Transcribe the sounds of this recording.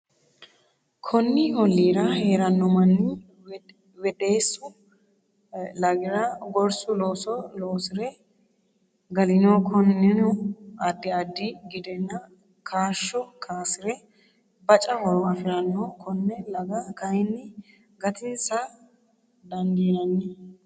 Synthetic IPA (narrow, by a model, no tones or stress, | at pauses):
kʰɔnːɪhɔlːiːɾɐheːɾɐnːɔmɐnːɪ | wɛd̪eːsːʊ | lɐɡɪɾɐɡɔɾsʊloːsɔloːsɪɾɛ | ɡɐlɪnokʰɔnːɪnɔɐd̪ːɪɐd̪ːɪɡɪd̪ɛnːɐ | kʰaːʃːɔkʰaːsɪɾɛ | bɐt͡ʃʼɐhɔɾɔɐfɪɾɐnːɔkʰɔnːɛlɐɡɐkɐjnːɪ | ɡɐt̪ɪnsa | d̪ɐnd̪iːnɐnːɛ